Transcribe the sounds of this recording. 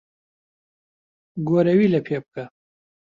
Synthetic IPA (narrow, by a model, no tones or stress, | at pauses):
ɡoɾɐwilapʰep̚ka